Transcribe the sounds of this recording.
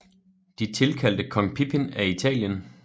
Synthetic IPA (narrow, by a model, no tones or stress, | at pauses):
d̥it͡sʰe̝lkʰæl̰d̥əkʰɒ̽ŋpʰipʰenæit͡sʰɛ̰ːljən